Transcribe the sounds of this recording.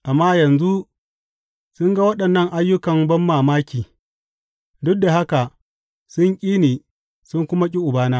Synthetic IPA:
ʔa˨mːaː˦jɐ˨nzu˦ | sʊ˦ŋɡa˦wɐ˦ɗɐ˨nːɐ˦ŋʔa˦jːʊ˦kɐ˨mbɐ˦mːaː˨maː˦kʲiː˨ | dʊ˦dːa˨ɦa˦ka˨ | sʊ˦ŋkʲʼiː˦neː˨ | sʊ˦ŋkʷʊ˦ma˦k̬ʲʼɪ˦ʔʊ˨baː˦naː˦

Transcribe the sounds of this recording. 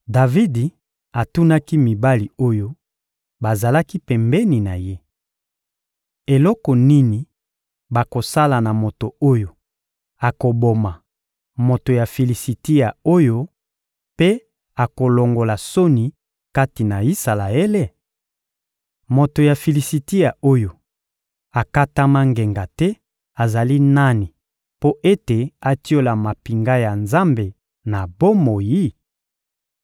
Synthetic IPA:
da˨vi˦di˨ | a˨tu˦na˦ki˦mi˨ba˦li˨o˦jo˦ | ba˨za˨la˦ki˦pɛ˨mbɛ˦ni˨na˨je˦ | e˨lɔ˦kɔ˨ni˦ni˨ | ba˨ko˨sa˦la˨na˨mo˨to˨o˦jo˨ | a˨ko˨bo˨ma˨ | mo˨to˨ja˨fi˨li˨si˨te˦ja˨o˦jo˦ | pe˦ | a˨ko˨lo˨ŋɡo˨la˨so˦ni˨ | ka˦ti˨na˨i˦sa˨la˨e˦le˦ | mo˨to˨ja˨fi˨li˨si˨te˦ja˨o˦jo˨ | a˨ka˦ta˦ma˦ŋɡe˨ŋɡa˨tɛ˦ | a˨za˨li˦na˦ni˨ | po˦ʔe˦te˨a˨ti˦o˦la˨ma˨pi˨ŋɡa˦ja˨nza˦mbe˨ | na˨bo˦mo˨ji˦

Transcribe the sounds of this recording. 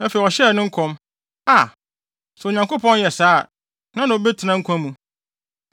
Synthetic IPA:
ɛ˦fe˨ɔ˨ɕɛ˦˨nɪ̃˦ŋ̩˦kʰɔ̃˦m | a˨ | sʊ˨ɲã˨ŋko˦pʰɔ̃˦n˦jɛ˨saː˦˨ | nã˦nã˨o˨bɛ˦tʰɪ˨nã˦ŋ̩˦kʷʰã˦mũ˨

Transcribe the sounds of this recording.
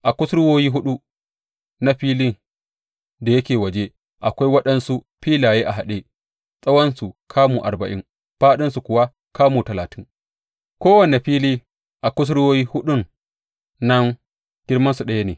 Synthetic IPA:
ʔa˨kʷʊ˦sɽʊ˦woː˦jiː˦ɦʊ˦ɗu˦ | na˦ɸiː˦li˦n | da˨jɐ˦kʲeː˨wɐ˨d͡ʒe˦ | ʔa˨kʷa˦jwɐ˦ɗɐ˦nsu˦ | ɸiː˦laː˨jeː˦ʔa˨ɦa˨ɗe˦ | sʼɐ˦wɐ˦nsu˨kʰaː˦muː˨ʔa̰˨ɾbɐ˨ʔɪ˦ŋ | ɸaː˦ɗɪ˦nsu˨kʷʊ˨wa˦ | kaː˦muː˨tɐ˨laː˨tɪ˦ŋ | kʷoː˦wɐ˨ne˨ɸiː˦liː˦ | ʔa˨kʷʊ˦s̬ɽʊ˦woː˦jiː˦hʊ˦ɗʊ˦n | nɐ˦n | ɡ̥ʲɪ˦ɽmɐ˦nsu˨ɗɐ˦ja˦neː˨

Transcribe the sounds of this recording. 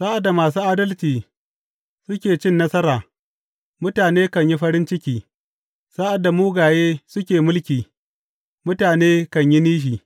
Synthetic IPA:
sa˦ʔa˨dːa˨maː˨s̬uː˦ʔa˦dɐ˦lt͡ʃiː˨ | sʊ˦kʲeː˨t͡ʃɪ˦nːɐ˦sɐ˦ɾaː˨ | mʊ˦taː˨neː˦kɐ˨ɲji˦ɸɐ˦ɾɪ˦nt͡ʃɪ˦kʲiː˨ | sa˦ʔa˨dːa˨muː˦ɡaː˨jeː˦sʊ˦kʲeː˨mʊ˦lkʲiː˨ | mʊ˦taː˨neː˦kɐ˨ɲji˦niː˦ʃ̬iː˨

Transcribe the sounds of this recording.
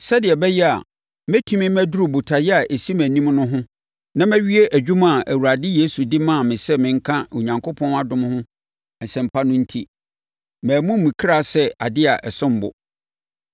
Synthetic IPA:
sɛ˦dɪ˨ɛ˨bɛ˦jɛ˦a̰˨ | mæ̃˦tʰũ˦mĩ˦mæ˦du˦ɾu˨bu˨tʰa˨jɛ˦a˨ʔe˨si˦mæ̃˨nĩ˦mnʊ̃˦ɦʊ̃˦ | nã˦mæ̃˦ɥi˦e˦ʔæ˨d͡ʑᶣu˦mã˦˨ʔæ˨wu˨ɾa˨dɪ˦je˦su˨dɪ˦mã˦˨mɪ̃˨sɛ˦mɪ̃˨ŋ̩˦kʰã˦o˨ɲã˨ŋkʰo˦pʰɔ̃˦na˨dʊ̃˦m˦hʊ̃˦ | ɛ˨sɛ̃˨m̩˨pʰa˦nʊ̃˦n̩˦tʰi˦ | mæ̃ː˨mũ˦mĩ˨kʰɾa˦˨sɛ˦a̰˨dɪ˦a˨ʔɛ˨sʊ̃˦m̩˨bʊ̰˨

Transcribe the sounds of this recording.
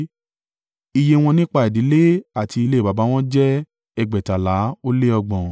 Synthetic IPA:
i˧je˧w̃ɔ̃˧nĩ˦k͡pa˧ɛ˨di˨˦le˦a˦˨tʰi˧i˧le˦i˦˨ba˨ba˨˦w̃ɔ̃˦d͡ʒɛ˦ | ɛ˧ɡ͡bɛ˨ta˨la˨˦o˦le˦ɔ˧ɡ͡bɔ̃˨

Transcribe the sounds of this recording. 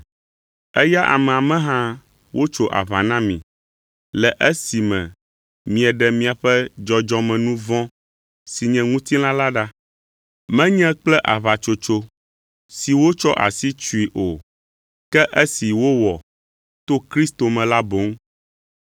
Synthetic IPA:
ɛ˦ja˦ʔa̰˨mɛ̃˨a˨mɛ̃˦ɦã˦ | wʔo˦t͡ʃo˦˨ʔa̰˨βa˨nã˦mḭ̃˨ | lɛ˨ʔɛ˦si˨mɛ̰̃˨ | mĩ˨ɛ˨ɖɛ˨mĩ˨a˨ɸɛ˦d͡ʒɔ˨d͡ʒɔ̃˦mɛ̃˨nũ˦vɔ̃˦ | si˨ɲɛ̃˨ŋũ˦t̪i˦lã˦la˦ɖa˦ | mɛ̃˦ɲɛ̃˦k͡plɛ˦ʔa˨βa˨t͡ʃo˨t͡ʃo˦ | si˨wo˦t͡ʃɔ˦ʔa̰˨si˦t͡ʃu˦i˨ʔo˨ | kɛ˦ʔɛ˦si˨wo˦wɔ˨ | t̪o˦kɾi˦st̪o˨mɛ̃˨la˦bo˨˦ŋ

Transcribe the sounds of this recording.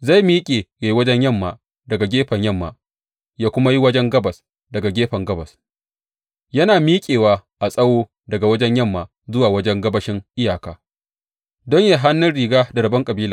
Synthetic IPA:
za˦˨jmiː˦kʲʼeː˨ja˨˦wɐ˦d͡ʒɛ˦ɲjɐ˦˨mːaː˨ | dɐ˨ɡa˨ɡʲeː˦ɸɐ˨ɲjɐ˦˨mːa̰ː˨ | jaː˦kʷʊ˦ma˦ji˦wɐ˦d͡ʒɛ˦ŋɡɐ˦bɐ˨s | dɐ˨ɡa˨ɡʲeː˦ɸɐ˨ŋɡɐ˦bɐ˨s | jɐ˦naː˨miː˦kʲʼeː˨waː˦ʔa˨sʼɐ˦woː˦ | dɐ˨ɡa˨wɐ˦d͡ʒɛ˦ɲjɐ˦˨mːaː˨ | zʊ˦waː˨wɐ˦d͡ʒɛ˦ŋɡɐ˦bɐ˦ʃɪ˦ŋʔɪ˦jaː˨kaː˦ | dɔ˦ɲja˨ɦa˦nːʊ˦nɽiː˨ɡaː˦da˨ɾɐ˨bɐ˦ŋkʼɐ˨biː˦laː˨

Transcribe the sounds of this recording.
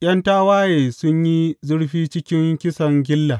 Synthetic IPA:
j̰ʲɐ˦ntaː˦waː˦jeː˨sʊ˦ɲji˦zʊ˦ɽɸiː˦t͡ʃɪ˦kʲɪ˦ŋkʲɪ˦sɐ˨ŋɡʲɪ˦lːa˨

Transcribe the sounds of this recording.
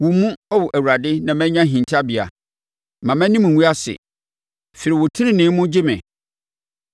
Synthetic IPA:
wʊ˨mũ˦ɔ˦wʊ˨ʔæ˨wu˨ɾa˨dɪ˦nã˨mɛ̃˦ɲã˦ɦĩ˨n˨tʰa˦bi˨a̰˨ | mã˨mæ̃˦nĩ˦m̃ʷ˨ũ˦a˦sɪ̰˨ | fɪ˨ɾi˨wʊ˨tʰɪ˦ɾɪ̃˦nɪ̃˨˦mʊ̃˦d͡ʑɪ˦mɛ̰̃˨

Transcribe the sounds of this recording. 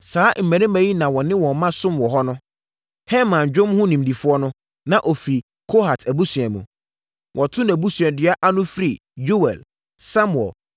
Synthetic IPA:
saː˦m̩˨mæ̃˨ɾɪ̃˦mæ̃˨ji˦nã˨wɔ̃˨nɪ̃˦wɔ̃˨˦mã˦sʊ̃˦mwɔ˨ɦɔ˦nʊ̃˦ | hɛ˦mã˨nd͡ʑᶣʊ̃˦mhʊ̃˦nĩ˨m˨di˨fʊ˦ɔ˦nʊ̃˦ | nã˨ʔo˨fɾi˨ | kʰo˦ha˨tʰæ˨bu˦sɥɛ˨mṵ̃˨ | wʔɔ˨tʰʊ̃˦næ˨bu˦sɥɛ˨dɪ˨a˦ʔa˦nʊ̃˦fɾi˨ | d͡ʒo˦wɛ̰˨l | sa˦mʊ˨ɛ̰˨l

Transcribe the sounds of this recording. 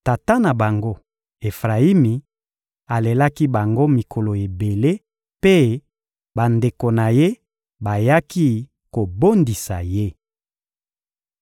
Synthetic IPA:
ta˨ta˦na˨ba˨ŋɡo˦ | e˨fʁa˨i˦mi˨ | a˨le˨la˦ki˦ba˨ŋɡo˦mi˨kʰo˨lo˨e˨be˨le˦ | pe˦ | ba˨nde˨ko˨na˨je˦ | ba˨ja˦ki˦ | ko˨bo˦ndi˨sa˨je˦

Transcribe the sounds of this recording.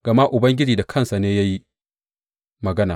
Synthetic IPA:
ɡ̥ɐ˨ma˦ʔʊ˨bɐ˦ŋɡʲɪ˦d͡ʒiː˨da˨kʰɐ˦˨nsa˨neː˦ja˦ji˦ | mɐ˨ɡɐ˦naː˨

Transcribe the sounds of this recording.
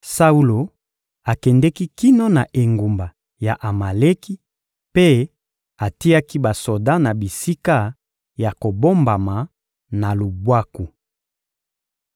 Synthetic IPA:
sa˦u˦lo˨ | a˨kɛ˨ndɛ˦ki˦ki˦no˦na˨ʔe˨ŋɡu˨mba˨ | ja˨ʔa˨ma˨le˦ki˦ | pe˦ | a˨ti˦a˦ki˦ba˨so˨da˦na˨bi˨si˦ka˦ | ja˨ko˨bo˦mba˨ma˨ | na˨lu˨bwa˦ku˨

